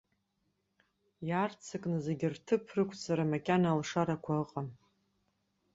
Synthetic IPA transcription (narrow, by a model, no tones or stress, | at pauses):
jart͡sʰɨkʼnɨzeɡʲɪrtʰɨpʰrɨkʷʰʼsʰaɾamakʲʼanalʂaɾakʷʰaɨqʼam